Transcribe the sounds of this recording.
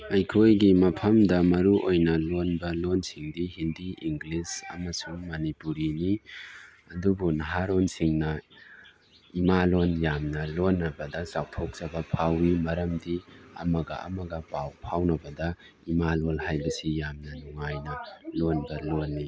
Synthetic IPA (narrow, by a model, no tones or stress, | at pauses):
ɐjkʰojɡimɐpʰɐmdɐmɐɾuʔojnɐlonbɐlonsiŋdihindiʔiŋɡlisɐ̰mɐsuŋmɐnipuɾini | ɐdubunɐɦaɾonsiŋnɐ | imalonjamnɐlonːɐbɐdɐzawtʰok̚z̥ɐbɐpʰawimɐɾɐmdiɐ̰mɐɡɐ̰ɐ̰mɐɡɐpawpʰawnɐbɐdɐ | imalolɦajbɐsijamnɐnuŋajnɐlonbɐlonːi